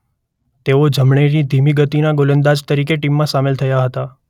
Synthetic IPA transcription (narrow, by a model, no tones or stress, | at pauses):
t̪eod͡ʒʱəmɳeɾid̪ʱimiɡət̪inaɡolənd̪ad͡ʒt̪əɾikeʈimːãsamelt̪ʰəjaɦət̪a